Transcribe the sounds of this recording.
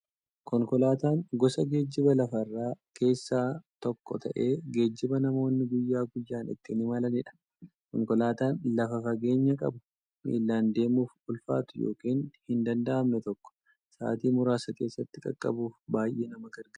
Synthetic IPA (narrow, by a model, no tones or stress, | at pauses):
kɔŋkɔlaːt̪aːŋɡɔsɐɡe̞ːd͡ʒːɪbɐlɐfɐrːaː | ke̞ːsːaːt̪ɔkːɔ̰t̪ʰɐʔe̞ːɡe̞ːd͡ʒːɪbɐnɐmo̞ːnːɪɡʊjːaːɡʊjːaːnɪ̰t̪ːɪnɪmɐlɐnɪᶑɐ̥ | kɔŋkɔlaːt̪aːnlɐfɐfɐɡe̞ːɲːɐkʼɐbʊ̥ | mḭːlːaːnd̪e̞ːmuːfʊlfa̰ːt̪ʊjo̰ːkiːnhɪnd̪ɐnd̪ɐʔɐmnɛt̪ɔkːɔ̥ | sa̰ːt̪iːmʊɾaːsɐke̞ːsːɐt̪ːɪkʼɐ̰kʼːɐ̰buːfbaːjʔeːnɐmɐɡɐɾɡɐ